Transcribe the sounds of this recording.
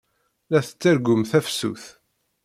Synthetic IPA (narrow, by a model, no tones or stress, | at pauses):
æθət͡sːəɾɡʊmθæfsṵθ